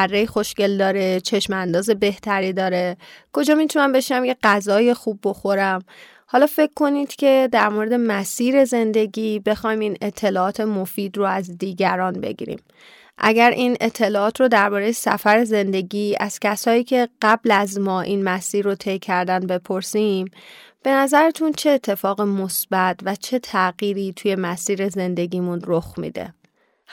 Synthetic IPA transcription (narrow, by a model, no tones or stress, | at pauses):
ærːejxo̞ʃce̞ld̪ɒːɾe̞t͡ʃʰe̞ʃmænd̪ɒːze̞be̞ht̪ʰæɾiːd̪ɒːɾe̞kʰo̞d͡ʒɒːmit̪ʰunæmbe̞ʃnæmjeɡæzɒːjexubːo̞xo̞ɾæm | hɒːlɒːfe̞kʰːo̞niːd̪̥cʰe̞d̪æɾmoɾe̞d̪e̞mæsiːɾe̞ze̞nd̪e̞ɟiːbe̞xɒːjmiːne̞t̪ʰːe̞lɒːɒːt̪ʰe̞mofiːd̪roæzd̪iːɟæɾɒːnbe̞̰ɟḭːɾḭːm | ʔæ̰ɟæɾʔiːne̞t̪ʰːe̞lɒːɒːt̪ʰɾod̪æɾbɒːɾe̞jesæ̰fæɾe̞ze̞nd̪e̞ɟiːæz̥cʰæsɒːiːcʰe̞ɢæblæzmɒːʔiːnmæsiːɾːot̪ʰe̞jcʰæɾd̪ænbe̞pʰoɾsim | b̥e̞næzæɾet̪ʰunt͡ʃʰe̞ːt̪ʰːe̞fɒːɣemosbæt̪væt͡ʃʰe̞t̪ʰæɣiːɾiːt̪ʰuje̞mæsiːɾe̞ze̞nd̪e̞ɟiːmunɾoxmḭːd̪ḛ